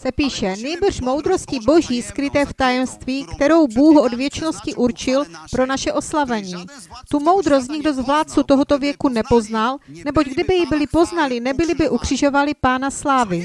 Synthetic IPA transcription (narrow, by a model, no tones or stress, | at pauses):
sɛpiːʃɛnɛjbr̩ʃmo̞wd̪ɾo̞scɪbo̞ʒiːskɾɪt̪ɛːft̪ajɛmst̪viːkt̪ɛɾo̞wbuːɦʔodvjɛt͡ʃno̞scɪʔuɾt͡ʃɪlpɾo̞naʃɛʔo̞slavɛɲiːt̪umo̞wd̪ɾo̞s̬t̪ɲɪɡdo̞zvlaːt̪t͡sut̪oɦot̪o̞vjɛkunɛpo̞znalnɛboɟɡdɪbɪjɪbɪlɪpo̞znalɪnɛbɪlɪbɪʔukr̝̥ɪʒo̞valɪpaːnaslaːvɪ